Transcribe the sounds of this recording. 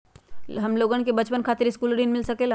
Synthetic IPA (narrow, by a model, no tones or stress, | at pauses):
ɦɐmloːɡãnkebɐt͡ʃpənkʰaːt̪ɪɾɪskuːlɾiːnmɪlsɐkelaː